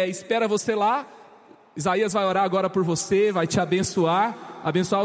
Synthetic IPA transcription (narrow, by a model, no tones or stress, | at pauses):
ɪspɛɾɐvosela | izaiɐzvajoɾaɾaɡɔɾɐpoɾvosevajt͡ʃɪabẽsuaɾa̰bẽsua